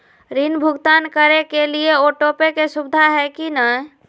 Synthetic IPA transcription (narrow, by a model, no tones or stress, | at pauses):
ɾinbʱʊɡt̪ankəɾekelieoʈopekesubd̪ʱaɦɛkinəɦ